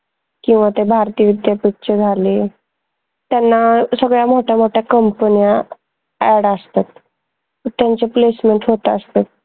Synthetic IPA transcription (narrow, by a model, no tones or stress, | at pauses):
kĩw̃ʋat̪ebʱaɾt̪iːʋid̪japik̚t͡ɕəd͡zʱale | t̪janːasəɡɭjam̤oʈʰjam̤oʈʰjakəmpənija | ɛɽast̪at̪̚ | t̪jaɲt͡ɕeplesmeɳʈɦot̪ast̪et̪̚